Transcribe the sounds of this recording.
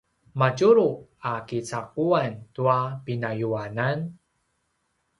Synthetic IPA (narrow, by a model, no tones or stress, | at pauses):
maɟuɾuakit͡saquantuapinajuanan